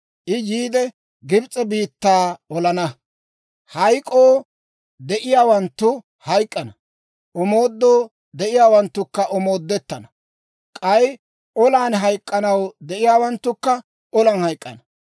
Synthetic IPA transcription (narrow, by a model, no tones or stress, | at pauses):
ʔɪjiːd̪ɛ | ɡɪbt͡sʼːɛbiːt̪ːaːɔlɐnɐ | hɐjkʼːoː | d̪ɛʔɪjaːwɐnt̪ːʊ | hɐjkʼːɐnɐ | ʔɔmo̞ːd̪ːoː | d̪ɛʔɪjaːwɐnt̪ːʊkːɐʔɔmo̞ːd̪ːɛt̪ːɐnɐ | kʼɐj | ʔɔlaːnɦɐjkʼːɐnɐwd̪ɛʔɪjaːwɐnt̪ːʊkːɐ | ʔɔlɐnhɐjkʼːɐnɐ